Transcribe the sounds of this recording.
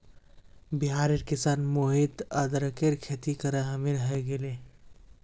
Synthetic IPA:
bɪɦaːɾeɾkɪsaːnmoɦit̪ɐd̪ɾɐkeɾkʰet̪ikɐɾeɦɐmiɾɦeɡele

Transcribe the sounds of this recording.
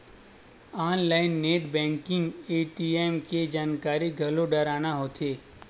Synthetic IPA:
aːnlaːɪnːeːʈbɛ̃ːŋkɪ̃ŋɡeːʈiemked͡ʒaːnkaːɾiɡʱɐloɖəɾaːnaɦoːt̪ʰeː

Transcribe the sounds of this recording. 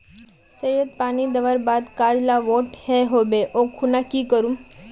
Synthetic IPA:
səɾət̪̚panid̪əʋəɾbad̪kallaʋoʈhɛɦobeʔokʰunakiːkəɾum

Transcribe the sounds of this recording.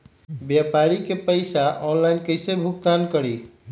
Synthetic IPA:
bjapaɾikepəɪsaʔɔnlaɪnkəɪsebʱuk̚t̪ankəɽi

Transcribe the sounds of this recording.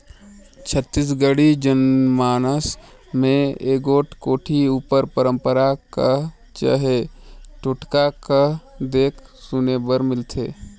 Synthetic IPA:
t͡ʃʰət̪ːis̬ɡəɽid͡ʒənmaːnəs | mẽeːɡoːʈʰkoːʈʰiuːpəɾpəɾə̃mpəɾaka | t͡ʃə̰ɦeʈʊʈkakad̪eːkʰsunebəɾmɪlt̪ʰeː

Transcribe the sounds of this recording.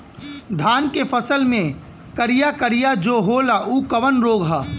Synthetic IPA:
d̪ʱaːnkefɐsəlmẽ | kɐɾijakəɾijad͡ʒoːɦoːlaʔuːkɐʋənɾoːɡɦaː

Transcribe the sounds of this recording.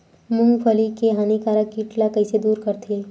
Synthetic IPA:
mʊ̃ŋɡfʰɐlikeɦaːnikaːɾəkːiʈlakɐised̪uːɾkɐɾt̪ʰi

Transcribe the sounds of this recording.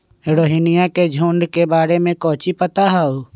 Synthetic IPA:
eɾoːɦiːnɪjaked͡ʒʱuːɳɖkebaːɾemẽkɔ̃ːt͡ʃipət̪aɦau

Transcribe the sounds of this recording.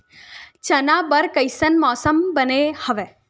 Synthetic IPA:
t͡ʃənabəɾkəjsənmɔːsəmbənehəʋe

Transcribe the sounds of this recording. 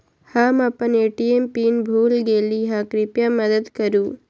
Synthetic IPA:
hãmapəneʈiempinbʱuːlɡeliɦãkɾɪpjaməd̪əd̪kəɾũː

